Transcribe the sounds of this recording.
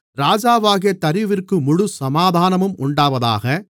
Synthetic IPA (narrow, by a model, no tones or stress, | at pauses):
ɾaːd͡ʒaːʋaːɣɪjɐt̪ɐɾɪʋɪrkɯmʊɻʊsɐmaːðaːnɐmɯmʊɳɖaːʋɐða̰ːɣɐ